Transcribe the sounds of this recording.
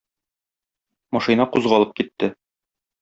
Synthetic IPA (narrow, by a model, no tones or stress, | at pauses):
mɒʃinɑquzʁɑɒlˠɤp̚kit̪ːɘ